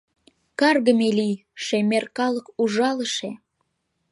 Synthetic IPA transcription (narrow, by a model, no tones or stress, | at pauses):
kɑrɣəmelijʃemerkɑləkuʒɑləʃe